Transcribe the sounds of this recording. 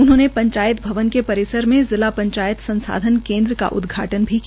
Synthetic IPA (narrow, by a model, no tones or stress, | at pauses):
ʊnɦõːnepɐ̃ɲt͡ʃaːjət̪bʱɐʋənkepɐɾɪsəɾmẽzɪlapɐ̃ɲt͡ʃaːjət̪sɐ̃nsa̰ːd̪ʱənkẽːnd̪ɾəka̰ʔʊ̰d̪ɡʱa̰ːʈənbʱi